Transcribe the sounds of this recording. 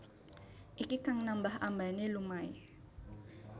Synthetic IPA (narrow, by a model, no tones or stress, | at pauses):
ʔikikaŋnambahʔambanilumai